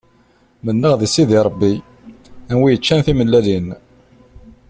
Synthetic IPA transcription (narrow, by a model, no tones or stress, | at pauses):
mənːəʁðisiðiɾˤəbːi | ænwijət͡ʃːænθiməlːælin